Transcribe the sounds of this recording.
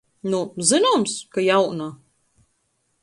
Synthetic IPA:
nuzɨnɔmskajawna

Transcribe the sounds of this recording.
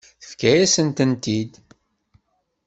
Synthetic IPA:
θəfkæjæsənt̪ənt̪id̪

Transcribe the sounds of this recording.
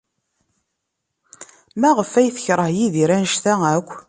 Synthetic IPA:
mæʁəfːæjθə̥çɾˤəhjiðiɾænʃθæækʷː

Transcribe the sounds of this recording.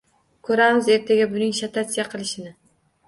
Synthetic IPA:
kʲʰɵɾamɪze̞ɾt̪ʰaɡʲabʊnɪŋʃat̪ʰat̪sijaqʰɨlˠɪʃɪnɪ

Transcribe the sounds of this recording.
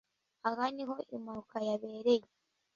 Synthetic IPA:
aɣaniɦo̞ʔimaɾukajaβe̞ːɾeje

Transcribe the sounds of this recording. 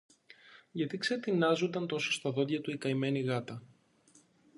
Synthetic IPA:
ʝɐt̪ikset̪inɐzo̞nd̪ɐnt̪o̞so̞st̪ɐðo̞ðʝɐt̪uikɐime̞niɣɐt̪ɐ

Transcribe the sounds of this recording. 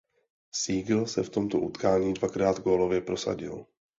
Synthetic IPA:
siːɡl̩sɛft̪o̞mt̪oʔut̪kaːɲiːdvakɾaːd̪ɡoːlo̞vjɛpɾo̞sa̰ɟɪ̰l

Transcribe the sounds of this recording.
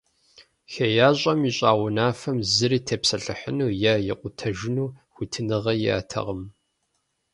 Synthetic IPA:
xɐjaːɕʼɐmiɕʼaːwʊnaːfɐmzɨɾiːtʰepsɐɬɨħənuːjaːjɪqʷʊtʰɐʒɪnuːxʷʊtʰɨnɨʁɐjɪ̰a̰ːtʰɐ̰ʁəm

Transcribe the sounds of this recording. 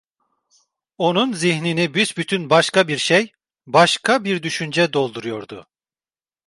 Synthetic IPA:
o̞nunzihninibyzbyt̪ʰynbaʃkabiɾʃej | baʃkʰabiɾd̪yʃynd͡ʒɛd̪o̞lˠd̪uɾujo̞ɾd̪ṵ

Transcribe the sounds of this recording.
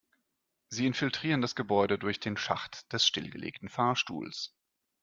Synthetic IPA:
ziːɪnfɪltʁ̥iːʁəndasɡ̥əbɔʏɾədʊɐçd̥eːnʃa̰χtd̥ɛsʃtɪlɡə̰lʔḛːktn̩faːɐʃtṵːls

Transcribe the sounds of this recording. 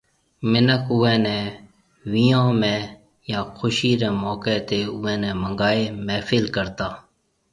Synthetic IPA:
mɪnəkʊɛ̃ːnɛ̃ː | ʋiːjãːmɛ̃ː | jãːkʰʊʃiːɾɛ̃ːmoːkeːt̪eːʊɛ̃ːnɛ̃ːməŋɡaːeːmɛːfɪlkəɾt̪aː

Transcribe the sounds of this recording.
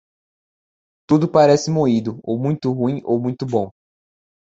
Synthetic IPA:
t̪ud̪ʊpaɾɛsɪmoid̪ʊowmũj̃t̪ʊɦũĩowmũj̃t̪ʊbõw̃

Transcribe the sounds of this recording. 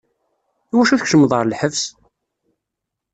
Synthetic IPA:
iwæʃuθəkʃəmːəðˤʁəɾˤlħəvs

